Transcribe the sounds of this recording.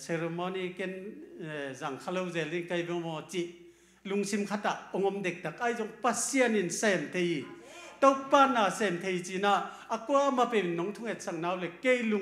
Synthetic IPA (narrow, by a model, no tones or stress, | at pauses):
seɾemɔniken | zaŋkʰalɔwzelinkajbɔmɔt͡siʔ | luŋsimkʰataʔɔŋɔmdek̚dak̚ajzɔŋpasianinsemt̪ʰeji | tɔwpanasemt̪ʰejt͡sinaː | kuamapeminːɔŋtʰuŋet̚saŋnawlekejlu